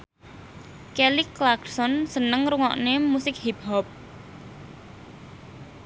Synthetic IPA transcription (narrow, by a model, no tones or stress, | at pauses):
keliklaɡsɔnsənəŋɾuŋɔ̰ʔnemusɪk̚hip̚hɔp̚